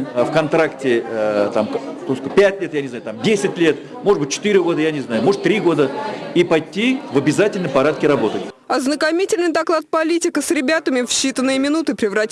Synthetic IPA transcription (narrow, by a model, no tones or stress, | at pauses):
fkɐnt̪ɾaktʲɪt̪amkt̪osʲkopʲætʲlʲet̪janʲɪzajʊt̪amdʲesʲɪtʲlʲe̞t̪ | mo̞ʐɨd̪bɨt̚ʲt͡ɕːɪ̥t̪ɨɾʲɪɡo̞d̪əjanʲɪznajʊmo̞ʐət̪t̪ːɾʲiɡo̞d̪əipɐjt̪ʲːivɐbʲɪzatʲɪlʲnəjpɐɾat̪̚kʲɪɾɐbo̞t̪ətʲ | ɐznəkɐmʲitʲɪlʲnɨjd̪ɐklˠat̪̚pɐlʲitʲɪkəsɾʲɪbʲat̪əmʲɪfɕːit̪ənːɨjəmʲɪnut̪ɨpɾʲɪvrɐtʲ